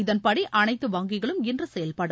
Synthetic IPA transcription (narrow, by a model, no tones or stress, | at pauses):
ɪðɐnpɐɽiʔɐnɐɪt̪ːɯʋaːŋɡɪɣɐɭɯmɪndrɯsɛjɐlpɐɽɯ